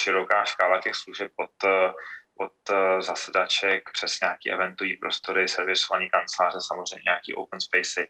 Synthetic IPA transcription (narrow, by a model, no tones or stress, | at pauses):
ʃɪɾo̞kaːʃkaːlacɛxsluʒɛp̚ot̪ | ot̪zasɛdat͡ʃɛk̚pr̥ɛsɲaːkiːʔɛ̰vɛnt̪uvɲiːpɾo̞st̪o̞ɾɪsɛɾvɪsovaɲiːkant͡slaːr̝ɛsamozr̝ɛjmɲɛ̰ɲakḭːʔo̰wpənspɛjsɪ